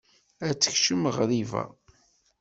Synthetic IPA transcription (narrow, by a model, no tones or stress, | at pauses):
æt͡sːə̥çʃəməʁɾivæ̰